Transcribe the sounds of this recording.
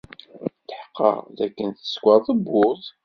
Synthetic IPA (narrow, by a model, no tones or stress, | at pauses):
t̪əħqːə̰ʁðækːənθə̥skʷɑðˤəbːʊθˤ